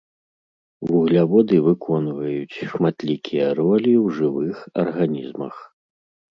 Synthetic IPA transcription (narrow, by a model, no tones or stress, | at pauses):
vuɣlʲavɔd̪ɨvɨkʰɔnvɐjut͡sʲʂmat̪lʲikʲʰijɐɾɔlʲiwʐɨvɨxɐ̰rɣanʲizmɐ̰x